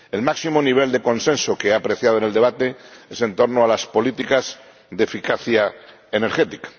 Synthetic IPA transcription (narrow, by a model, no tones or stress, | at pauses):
elmaksimoniβ̞e̞ld̪e̞ko̞nsẽ̞nsokeaːpɾe̞θjað̞oeneld̪e̞βat̪e̞ese̞nt̪o̞ɾnoalaspo̞lit̪ikaz | ðefikaθja | ene̞ɾxe̞t̪ikḁ